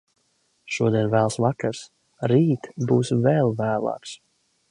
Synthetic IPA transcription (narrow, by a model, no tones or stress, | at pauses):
ʃuɔd̪iɛnvæːlˠsvakaɾs | ɾiːt̪buːsvɛlˠvæːlˠa̰ːks